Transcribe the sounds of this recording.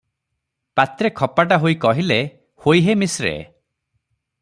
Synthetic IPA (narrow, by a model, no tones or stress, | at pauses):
pat̪ɾekʰɔpaʈ̬aɦoikɔɦile | hojɦemisɾḛ